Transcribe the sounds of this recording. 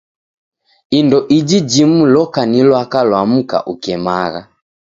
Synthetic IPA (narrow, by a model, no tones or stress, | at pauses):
indɔʔid͡ʒid͡ʒimulɔkanilwakalwam̩ka̰ʔukɛmaɣa̰